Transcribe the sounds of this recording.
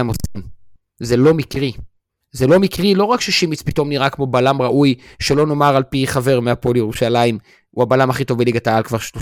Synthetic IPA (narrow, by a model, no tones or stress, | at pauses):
emosim | zelo̞mikʁi | ze̞lo̞mikʁilo̞ʁakʃeʃimit͡spito̞mniʁakmo̞balamʁaʔujʃe̞lo̞no̞maʁalpiχave̞ʁmeapoljeʁuʃalaim | uhabalamhaχito̞vbeliɡat̪aalkvaʁʃlo